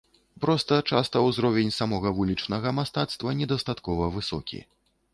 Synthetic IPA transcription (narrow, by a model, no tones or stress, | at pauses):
pɾɔst̪ɐt͡ʂast̪ɐwzɾɔvʲɛnʲsamɔɣɐvulʲit͡ʂnɐɣɐmast̪at̪st̪vɐnʲɛd̪ɐst̪at̪kɔvɐvɨsɔ̰kʲḭ